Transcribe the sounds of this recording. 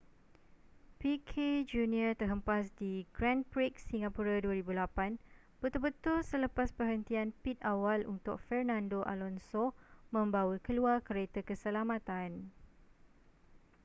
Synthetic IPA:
pikʰed͡ʒuniət̪ərɦəmpas̬diɡɾɛ̃npɾik̚siŋapuɾaduəɾibulapan | b̥ət̪ʊlbət̪ʊlsələpaspərɦənt̪ianpit̪̚awalunt̪ʊk̚fɛrnãndoʔa̰lɔnsomə̃mbawəkəluarkəɾet̪əkəsəlamãt̪an

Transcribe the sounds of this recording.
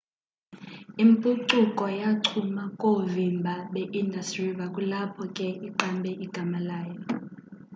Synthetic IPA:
impʼuǀukʼɔjaǀʰumakʼovimbʱaɓɛʔindastʼriɓakʼulapʰɔkʼɛiǃambʱɛʔiɡ̥ʱamalaːjɔ

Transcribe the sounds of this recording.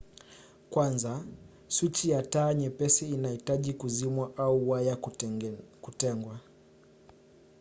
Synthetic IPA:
kwanza | swit͡ʃijataːɲɛpɛsiːnahitaʄikuzimwaʔauwaja | kutɛŋɡwa

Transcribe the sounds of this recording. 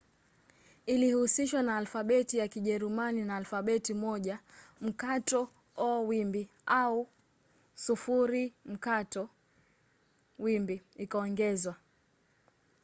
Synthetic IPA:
ilihusiʃwanaːlfaɓɛtijakiʄɛɾumaninaːlfaɓɛtimɔʄam̩katɔ | ɔwimbi | au | sufuɾim̩katɔ | wimbiikaɔŋɡɛzwa

